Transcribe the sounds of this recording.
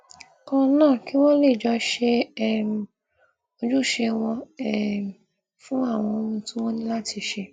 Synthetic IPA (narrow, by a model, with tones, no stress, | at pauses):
kɔ̃˧nãː˦˨ki˦w̃ɔ̃˦le˦˨d͡ʒɔ˧˦ʃe˧˨m˨ | o˧d͡ʒu˦˨ʃe˧w̃ɔ̃˧ɛ˦˨m˨ | fũ˦a˦˨w̃ɔ̃˧o˧mũ˧tũ˦w̃ɔ̃˦nĩ˦la˦ti˧ʃe˧